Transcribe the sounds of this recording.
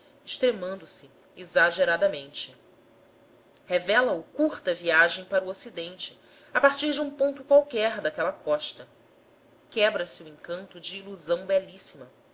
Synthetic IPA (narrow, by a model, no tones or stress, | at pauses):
ɪʃt̪ɾemɐ̃nd̪ʊsɪ | izaʒeɾad̪ɐmẽnt͡ʃɪ | hevɛlɐʊkuɾt̪ɐviaʒẽj̃paɾuosid̪ẽnt͡ʃɪ̥ | apaɾt͡ʃiɾd͡ʒɪũpõnt̪ʊkwawkɛɾd̪akɛlɐkʰɔʃt̪ɐ | kɛbɾɐsɪuẽŋkɐ̃nt̪ʊd͡ʒɪːluzɐ̃w̃bɛlisimɐ